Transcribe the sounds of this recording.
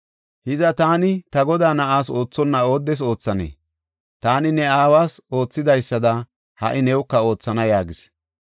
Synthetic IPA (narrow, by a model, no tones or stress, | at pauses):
hɪzɐt̪aːnɪt̪ɐɡɔd̪aːnɐʔaːso̞ːt͡sːɔnːɐo̞ːd̪ːɛs̬o̞ːt͡sːɐnḛː | t̪aːnɪnɛaːwaːso̞ːt͡sːɪd̪ɐjsːɐd̪ɐ | hɐ̰ʔɪnɛwʊkːɐo̞ːt͡sːɐnɐjaːɡɪs